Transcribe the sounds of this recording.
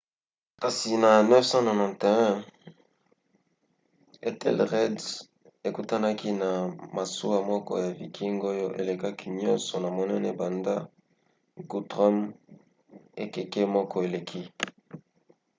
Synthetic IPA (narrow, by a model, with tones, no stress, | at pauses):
ka˨si˨na˨nɛ˦fsã˦nɔ˨nã˨nte˨ɛ̃˦ | e˦tɛ̰˦˨lʁɛ˦d | e˨ku˨ta˦na˦ki˦na˨ma˨su˦a˦mɔ˦kɔ̰˦ja˨vi˨kʰi˦ŋɡo˦jo˦ʔḛ˨le˨ka˦kʰi˦ɲɔ̃˦nsɔ˨na˨mo˨nɛ˦nɛ˦ba˨nda˦ | ɡu˨tʁɔ˦m | e˨ke˨kɛ˦mɔ˦kɔ˦e˨le˨kʰi˦